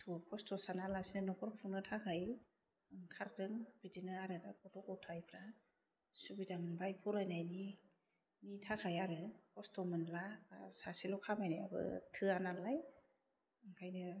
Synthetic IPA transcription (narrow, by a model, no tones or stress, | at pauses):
tʰupʰɔstʰɔsanalasinɯnɔkʰɔɾpʰunɯtʰakʰaj | ŋkʰaɾɾɯŋbidinɯaɾɯdakʰɔtɔkɔwtʰajpʰɾa | subidambajpʰɔɾajnajni | nitʰakʰajaɾɯpʰɔstɔmɯnlasasilɔkʰamajnia̰bɯ̰tʰɯanalaj | ɯŋkʰajnɯ